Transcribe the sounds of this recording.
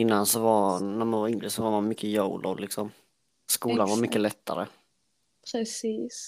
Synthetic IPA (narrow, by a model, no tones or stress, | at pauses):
ɪnːansɔvaɾnæɾmanvaɾɪŋlɪsɔvaɾmanmʏkːəjowlʔo̰lɪksɔm | skuːlanvaɾmʏkːəlɛt̪ʰːa̰ɾə̰ | pʰɾɛsiːs